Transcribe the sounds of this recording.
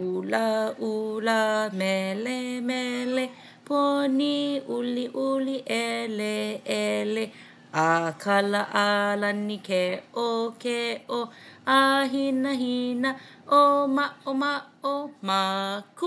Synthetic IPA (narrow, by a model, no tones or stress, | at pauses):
ulaʔulamɛlemɛle | pʰoniʔuliʔuliʔɛleɛle | ʔakʰalaʔalanːikɛʔʔokeʔoʔaɦinaɦinɐʔomaomaomak